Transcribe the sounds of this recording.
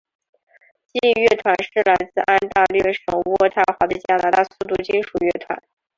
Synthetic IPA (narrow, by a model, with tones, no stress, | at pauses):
t͡ɕi˥˧ɥɛ˥˩t̪ʰwa˧˥nʂɻ̩˥˩la˧˥ɪt͡sɹ̩˥˩˧ʔa˥nt̪a˥˧lɥɛ˥˩ʂɤ˨˩ŋu˧˥ɔ˥˧t̪ʰa˥˩xwa˧˥d̪ə˧t͡ɕja˥na˧˥t̪a˥˩su˥˧t̪̬u˥˩t͡ɕi˥nʂu˨˩ɥɛ˥˩t̪ʰwa̰˧˥n